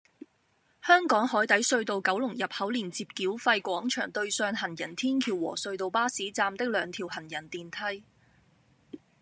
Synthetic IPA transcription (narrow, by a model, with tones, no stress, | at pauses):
hœː˥ŋkɔː˨˥ŋhɔː˨˥jt̪ɐ˨˥jsɵ˧ɥt̪o˨˧wkɐ˨˥wlʊ˨˩ŋjɐ˨p̚hɐ˨˥wliː˨˩nt͡siː˧p̚kiː˨˥wfɐ˧jkʷɔː˨˥ŋt͡ʃʰœː˨˩ŋt̪ɵ˧ɥsœː˧ŋɦɐ˨˩njɐ˨˩nt̪ʰiː˥nkʰiː˨˩wɔ̰ː˨˩sɵ˧ɥt̪o˨wpaː˥siː˨˥t͡saː˧mt̪ɪ˥k̚lœː˨˧ŋt̪ʰiː˨˩whɐ˨˩njɐ˨˩nt̪iː˨nt̪ʰɐ˧˥j